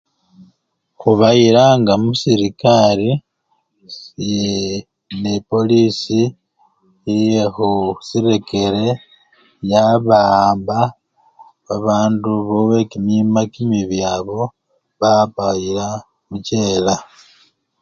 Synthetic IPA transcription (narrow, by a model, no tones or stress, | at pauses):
xuβajiɾaŋɡamusiɾikaɾi | e | nepo̞lisi | ijexusiɾe̞ke̞ɾe̞ | jaβaːmba | βaβaːnduβowe̞kinimakimiβjaβo̞ | βaβajiɾa | muce̞ːla